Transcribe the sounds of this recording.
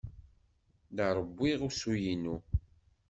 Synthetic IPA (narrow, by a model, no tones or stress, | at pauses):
ðaɾˤəbːiʁusujinːu